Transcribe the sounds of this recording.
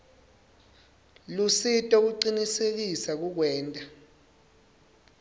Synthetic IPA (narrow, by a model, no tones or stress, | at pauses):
lusitʼɔk̬uǃinisek̬isak̬uk̬wɛːntʼa